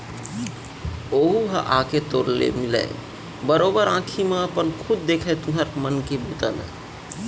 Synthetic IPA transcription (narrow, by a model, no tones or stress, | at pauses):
oɦuɦəʔaket̪oɾlḛmilə̰ɪ | bəɾobəɾãkʰimeəpənkʰud̪̚d̪ekʰɛt̪uɦəɾmənkebut̪ə̰l